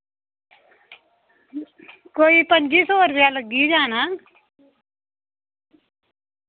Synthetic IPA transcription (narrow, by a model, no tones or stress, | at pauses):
koːipənd͡ʒiːsoːɾpjaːləɡid͡ʒaːnaː